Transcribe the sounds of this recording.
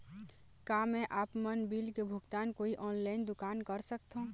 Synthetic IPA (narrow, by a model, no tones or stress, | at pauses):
kaːmɛ̃ʔaːpmənbiːlkebʱʊɡt̪aːnkoːiʔɔːnlaːɪnd̪ʊkaːnkəɾsək̚t̪ɦõ